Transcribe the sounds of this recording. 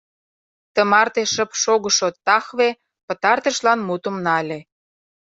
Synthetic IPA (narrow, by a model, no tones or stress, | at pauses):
t̪əmɑrt̪eʃə̆pʃoɣə̆ʃot̪ɑxβe | pə̆t̪ɑrt̪ə̆ʃlɑnmut̪ə̆mnɑlʲe